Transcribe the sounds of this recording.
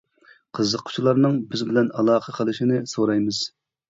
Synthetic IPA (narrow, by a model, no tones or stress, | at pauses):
qʰəzːəqʰːʊ̥t͡ʃʰilˠɑɾnɨŋbɪzbɪlɛnɑlˠɑːqʰəqʰəlˠɨʃinɪsoɾɑjmɨz̥